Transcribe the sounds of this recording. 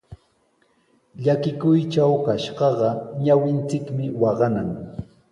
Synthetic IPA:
ʎakɪkʊjt͡ʃawkaʃɢɑɢɑɲawɪnt͡sɪkmɪwɑɢɑnaŋ

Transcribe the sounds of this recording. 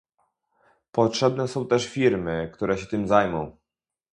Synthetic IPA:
pɔtʂɛbnɛsɔ̃w̃t̪ɛʂfʲiɾmɘkt̪uɾɛɕɛt̪ɘmzajmɔ̃w̃

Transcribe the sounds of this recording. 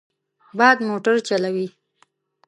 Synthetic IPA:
bɑd̪moʈaɾt͡ʃalawi

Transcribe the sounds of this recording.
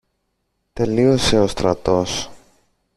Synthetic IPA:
t̪e̞lio̞se̞o̞st̪ɾɐt̪o̞s

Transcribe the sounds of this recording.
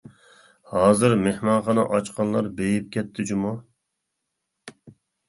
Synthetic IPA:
hɑːzɨɾmehmɑnχɑnɑʔɑt͡ʃqʰɑnlˠɑɾbejip̚kʲʰɛt̪ʰːɪd͡ʒumu

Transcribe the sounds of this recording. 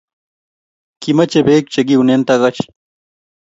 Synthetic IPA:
kimɐt͡ɕebeːk̚t͡ɕeɡiunent̪ɐɣɐt͡ɕ

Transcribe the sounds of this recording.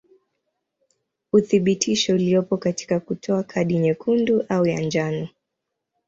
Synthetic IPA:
uθiɓitʰiʃɔulijɔpɔkati̥kakutʰɔakʰaɗiɲɛkʰunduʔaujand͡ʒanɔ

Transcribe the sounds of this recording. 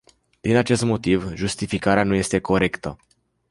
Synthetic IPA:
d̪̥inat͡ʃe̞st̪mo̞t̪ivʒust̪ifikaɾeanuje̞st̪e̞kʰo̞ɾe̞kt̪ə

